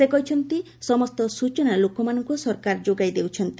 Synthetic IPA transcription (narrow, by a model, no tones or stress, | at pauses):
sekɔɦit͡ʃʰɔnt̪i | sɔmɔst̪ɔsut͡ʃɔnalokɔmanɔŋkusɔɾkaɾd͡ʒoɡajd̪ewt͡ʃʰɔnt̪i